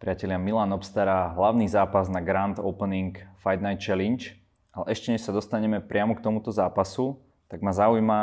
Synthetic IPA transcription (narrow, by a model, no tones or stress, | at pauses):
pɾɪacɛlɪamilaːnɔpst̪aɾaɦlaʊnizaːpaznaɡɾand̪ɔʊpəniŋkfajd̪̚najt̪̚t͡ʃɛlint͡ʃ | ʔalɛʔɛʃcɛɲɛʃsad̪ɔst̪aɲɛmɛpɾɪamɔkt̪ɔmut̪ɔzaːpasu | t̪aɡmazaujma